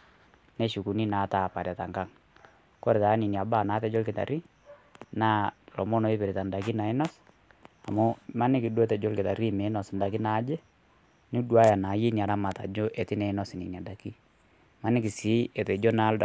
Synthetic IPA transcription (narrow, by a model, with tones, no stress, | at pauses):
ne˦ʃu˨ku˨ni˦na˨˦ta˨pa˨ɾja˨ta˨ŋɡa˦ŋ | ko˦ɾe˨ta˨˦ni˨ni˨a˨ba˦˨naː˨˦tɛ˦d͡ʒo˦lkɪ˨ta̰˨ɾi˦ | na˦lɔ˨mo˦no˨˦i˦pɪ˨ɾe˨ta˨nda˨ki˦na˨ɪ˦nɔ˦s | a˨mu˦ma˦nɪ˦ki˨do˦tɛ˨d͡ʒo˦lkɪ˨ta˨ɾi˦˨me˨˦nɔ˨snda˨ki˦na˨˦d͡ʒe˦ | ni˦dwa˦ja˨na˨˦ji˦ni˨a˨ɾa˦ma˨ta˨d͡ʒo˦ʔe˨tɪ˦nɛ˨˦nɔ˦sni˨ni˨a˨da˨ki˦ | ma˦nɪ˦ki˨si˨˦e˨tɛ˨d͡ʒo˦na˨˦l